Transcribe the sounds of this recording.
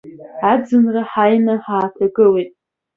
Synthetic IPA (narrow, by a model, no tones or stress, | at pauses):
ad͡zɨnraħajnaħaːtʰaɡɨlejtʼ